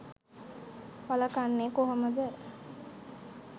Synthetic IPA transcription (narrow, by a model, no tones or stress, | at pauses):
paləkanːeːkoɦəməd̪ə